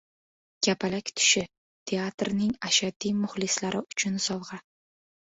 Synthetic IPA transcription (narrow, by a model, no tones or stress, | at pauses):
ɡ̥ʲapʰalakʲt̪ʰʊ̥ʃɪ | t̪ʰe̞at̪ɾnɪŋaʃad̪imʊhlɪslaɾʔɪʊt͡ʃʰʊnsɒwʁɑ